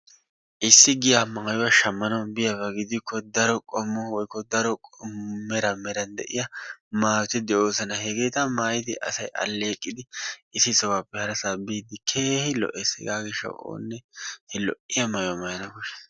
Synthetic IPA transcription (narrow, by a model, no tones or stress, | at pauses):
ʔɪsːɪɡɪjamɐjʊwɐʃɐmːɐnɐwbɪjɐbɐɡɪd̪ɪkːɔd̪ɐɾɔkʼɔmːɔwɔjkːɔd̪ɐɾɔkʼɔmɛɾɐmɛɾɐnd̪ɛ̰ʔɪjɐmaːt̪ɪd̪ɛʔoːsɐnɐhɛɡeːt̪ɐmaːjɪd̪ɪʔɐ̰sɐjʔɐ̰lːeːkʼːɪd̪ɪɪsːɪsɔwaːpːɛhɐɾɐsaːbiːd̪ɪkʰeːhɪlɔ̰ʔesɛ̰ɡaːɡɪʃːɐ̰wo̰ːnːɛhɛlɔ̰ʔɪjɐmɐjʊwɐmɐjɐnɐkʊʃɐ̥s